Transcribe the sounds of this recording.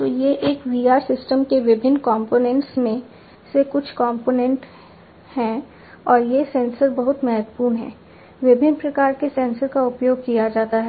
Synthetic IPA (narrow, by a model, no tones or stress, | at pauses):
t̪oːjeʔeːkʋiːaːɾsɪsʈəmkeʋɪbʱɪnːkɔ̃ːmpoːnɛ̃ɳʈsmẽ | sekʊt͡ʃʰkɔ̃ːmpoːnɛ̃ɳʈ | hɛ̃ | ɔːɾjesɛ̃ːnsəɾbɐɦʊt̪mɛɦət̪puːɾnɦɛ̰ː | ʋɪbʱɪnpɾɐkaːɾkesɛ̃ːnsəɾkaʊpjoːɡ̚kijad͡ʒaːt̪aɦɛː